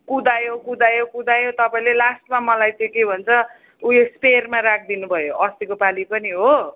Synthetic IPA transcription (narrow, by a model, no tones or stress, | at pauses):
kud̪ajokud̪ajokud̪ajot̪ʌpaĩlelasʈmamʌlajt̪ẽkebʱʌnt͡sʰʌ | uespermarak̚ʰd̪inubʱʌjoʔʌst̪ikopalipʌniɦo